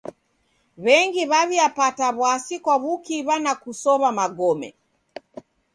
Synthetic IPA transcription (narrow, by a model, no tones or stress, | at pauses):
βɛŋɡiβaβiapataβwasikwaβukiβanakusɔβamaɡɔmɛ̰